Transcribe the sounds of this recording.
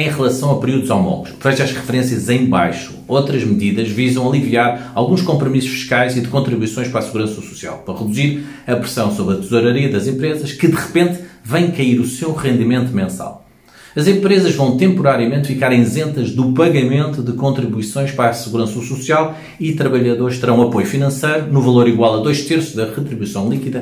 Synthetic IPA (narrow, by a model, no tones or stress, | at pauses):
ɐ̃j̃ʁɨlˠɐsɐ̃w̃ɐpɨɾiuðuzawmɔ̰lˠɣuʃvɐʒaʃʁɨfɨɾẽsjɐzɐ̃j̃ba̰jʃuot̪ɾɐʒmɨðiðɐʒvizɐ̃w̃ɐlˠiviaɾalˠɣũʃkõmpɾumisu̥ʃfi̥ʃkajziðɨkõnt̪ɾiβuisõj̃ʃpɐɾasɨɣuɾɐ̃sɐsu̥sia̰lˠpɐɾɐʁɨd̪uziɾ | ɐpɾɨsɐ̃w̃soβɾɐt̪z̥oɾɐɾiɐðɐzẽmpɾezɐʃkɨðɨʁɨpẽnt̪vɐ̃j̃kɐiɾusewʁẽnd̪imẽnt̪umẽsa̰lˠ | ɐzẽmpɾezɐʒvɐ̃w̃t̪ẽmpuɾaɾiɐmẽnt̪fikaɾẽj̃zẽnt̪ɐʒðupɐɣɐmẽnt̪uðɨkõnt̪ɾiβuisõj̃ʃpɐɾasɨɣuɾɐ̃sɐsusialˠ | it̪ɾɐβɐʎɐðoɾʃt̪ɨɾɐ̃ɐpojufinɐ̃sɐjɾunuvɐlˠoɾiɣwalˠɐðojʃt̪eɾsuðɐʁɨt̪ɾiβuisɐ̃w̃lˠikiðɐ